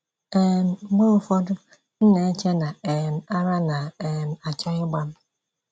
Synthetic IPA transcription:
e˨m̩˨ɡ͡bo˦o˨fo˦dʊ˦ | n̩˦ne˨˦t͡ʃe˦na˨e˨m̩˨a˦ɾa˦na˨e˨m̩˨a˨t͡ʃa˦ɲʊ˦ɡ͡ba˦m̩˦

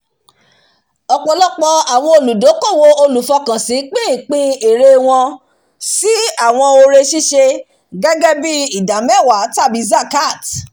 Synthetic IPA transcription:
ɔ˨k͡pɔ˧lɔ˦k͡pɔ˧a˨w̃ɔ̃˧o˧lu˨do˨˦kɔ˦˨wo˧o˧lu˨fɔ˧kã˨si˨˦k͡pĩ˦˨k͡pĩ˦e˨ɾe˧w̃ɔ̃˧ | si˦a˦˨w̃ɔ̃˧o˧ɾe˧ʃi˦ʃe˧ | ɡɛ˦ɡɛ˦bi˦i˨da˨˦mɛ˦˨wa˨˦ta˦˨bi˨˧˦za˦˨ka˦˨t

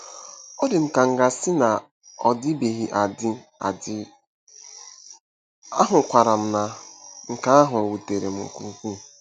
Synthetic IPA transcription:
ɔ˦dɪ˨m̩˨ka˨ŋ̩˨ɡa˨sɪ˦na˨ | ɔ˨dɪ˦be˨ɦi˨˦ʔa˨dɪ˦ | a̰˨dɪ˦ | a˦ɦʊ˨kʷa˨ɾa˨m̩˨na˨ŋ̩˨ka˦a˦ɦʊ˨o˨wu˨te˨ɾḛ˨m̩̰˨kṵ˦˨ŋ̩˨kʷu˦˨

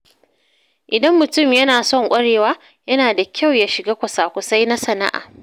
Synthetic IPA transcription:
ʔɪ˨dɐ˦mːʊ˨tʊ˦˨mjɐ˦naː˨sɔ˦˨ŋkʷʼɐ˦ɽeː˨waː˦ | jɐ˦naː˨da˨kʲʰa˦˨wjaː˦ʃɪ˨ɡaː˦kʷɐ˨saː˨kʷʊ˨sa˦jna˦sɐ˨na̰˦ʔa̰ː˨

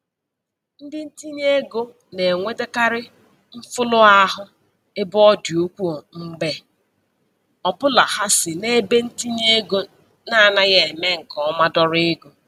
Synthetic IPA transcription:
n̩˦dɪ˦n̩˦ti˦n˦e˦ɡo˦ | ne˨ŋʷe˦de˦ka˦ɾɪ˦ | ɱ̩˦fʊ˦lʊ˦a˦ɦʊ˦ | ɪ˦bɔ˦di˨o˦kʷu˦o˨ŋ͡m̩˦ɡ͡be˦ | ɔ˨pʊ˦la˨ha˦sɪ˨ne˦be˦n̩˦ti˦n˦e˦ɡo˦ | na˦˨na˦ɣe˨me˦ŋ̩˨kɔ˨˦ma˦dɔ˦ɾɪ˦ɡo˨

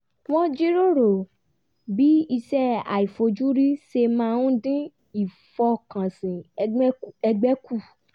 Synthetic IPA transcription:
w̃ɔ̃˦d͡ʒi˦ɾo˦ɾo˨ | bi˨˦i˧sɛ˦a̰˨i˨fo˧d͡ʒu˦ɾi˦ʃe˧mãː˦˧ũ˦dĩ˦ | i˨ | fɔ˧kã˨sĩ˨˧˦ɛ˧ɡ͡bɛ˦ku˦˨

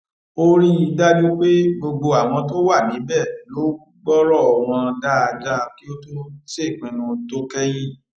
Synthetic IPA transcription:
o˦ɾĩ˦i˧da˦d͡ʒo˦k͡pe˦ɡ͡bo˧ɡ͡bo˧a˨w̃ɔ̃˧to˦wa˦˨mĩ˨˦bɛ˦˨lo˨˦u˦ɡ͡bɔ˦ɾɔ˦˨ɔ˨w̃ɔ̃˧da˦a˧d͡ʒa˦ki˦o˦to˦se˦˨k͡pĩ˨nũ˧to˦kɛ˦j̃ĩ˦

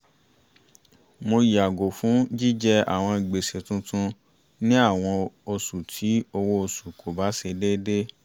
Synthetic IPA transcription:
mo˧ji˨a˨ɡo˨fũ˨˦d͡ʒi˦d͡ʒɛ˦a̰˦˨w̃ɔ̃˧i˨ɡ͡be˨se˨tũ˦tũ˧ | nĩ˦a˦˨w̃ɔ̃˧o˧su˨tʰi˨˦o˧wo˦o˧su˨kʰo˨ba˨˦se˧de˦de˦

